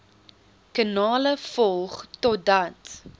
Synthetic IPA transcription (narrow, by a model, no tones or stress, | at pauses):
kənɑːləfɔlˠχtɔt̚dɐt